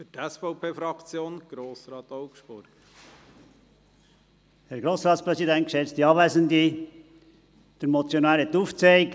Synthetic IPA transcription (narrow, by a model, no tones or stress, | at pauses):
fytɛsfɔʊpʰeːfɾɑkt͡sjoːnɡ̥ɾoːsɾɑːt̪oʊkʃb̥ʊɾɡ̥ | hɛɾɡɾoːsɾɑːt̪spɾɛsidɛntkʃɛt͡st̪iɑːʋæɪzənd̪i | d̥əɾmɔt͡sjonæːɾhɛt̪ːuːft͡seɪk